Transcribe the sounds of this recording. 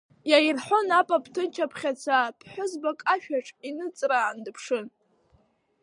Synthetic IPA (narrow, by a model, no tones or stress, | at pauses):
jajirħʷonapʼapʰʼtʰɨnt͡ʃʰapʰχʲat͡sʷʰapʰħʷʊzbakʼaʃᶣaʈ͡ʂʼinɨt͡sʼraːndɨpʰʂɨn